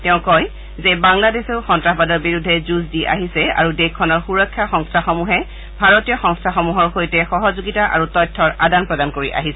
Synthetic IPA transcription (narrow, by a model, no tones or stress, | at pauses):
tɛʊ̃kɔj | zebaŋladeseʊxɔntɹaɦbadɔɹbiɹudʱːɛzuzdiʔa̰ɦisɛa̰ɹudekʰːɔnɔɹxuɹɔkʰːjaxɔŋstʰaxɔmuɦɛ | bʱaɹotijɔxɔŋstʰaxɔmuɦɔɹxojtɛxɔɦɔzuɡitaʔa̰ɹutɔjtʰːɔɹadanpɹɔdankoɹiʔa̰ɦisɛ